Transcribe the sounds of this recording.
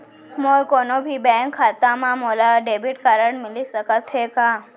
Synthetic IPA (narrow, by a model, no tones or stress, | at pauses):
moːɾkoːnobʱibɛ̃ːŋkʰːaːt̪amãmoːlaɖeːbɪʈkaɾəɳmɪlisəkət̪ɦekaː